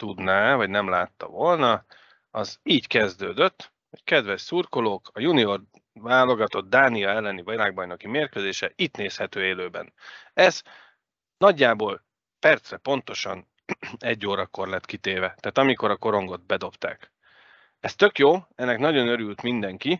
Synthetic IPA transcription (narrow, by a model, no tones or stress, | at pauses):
t̪ud̪naɛvɒɟnɛmlaːt̪ːɒ̰vo̞lnɒ | ɒziːɟkɛzd̪øːd̪ø̞t̪ː | hockɛd̪vɛʃsurkoloːkɒjunio̞r | vaːlo̞ɡɒt̪o̞d̪̚d̪aːniɒɛlːɛnivɒlaːɡ̚bɒjno̞kimeːrkød̪eːʃɛit̪neːshɛt̪øːeːløːbɛ̰nɛz̥ | nɒɟːaːboːl | pɛrt̪srɛpo̞nt̪o̞ʃɒ̰n | ɛɟːoːɾɒko̞rlɛt̪kit̪eːvɛt̪aːt̪ɒmikoɾɒko̞ɾo̞ŋɡo̞d̪̚bɛd̪o̞pt̪a̰ːk | ɛst̪ø̞kjoːɛnːɛknɒɟo̞nø̞ɾylt̪mind̪ɛŋki